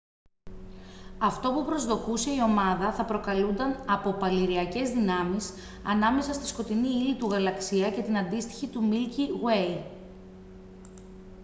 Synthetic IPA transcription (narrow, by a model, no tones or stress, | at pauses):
ɐft̪o̞pupɾo̞zðo̞kuse̞io̞mɐðɐθɐpɾo̞kɐlund̪ɐnɐpo̞pɐliɾiɐce̞zðinɐmis | ɐ̰nɐme̞sɐst̪i̥sko̞t̪iniilit̪uɣɐlɐksiɐce̞t̪inɐnd̪ist̪i̥çit̪umilciɣwe̞j